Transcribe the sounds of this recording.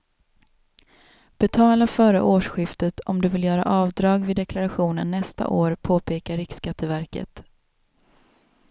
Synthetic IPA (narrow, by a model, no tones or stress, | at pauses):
b̥ɛt̪ʰɑːlafœːɾə̰ʔoːʂɧɪft̪ət̪ʰɔmd̪ɵvɪljœːɾa̰ʔɑːvd̪ɾɑːɡvɪd̪ɛklaɾaɧuːnənːɛst̪a̰ʔoːɾpʰoːpʰeːkaɾɪkskat̪ʰːəvæɾkə̰t̪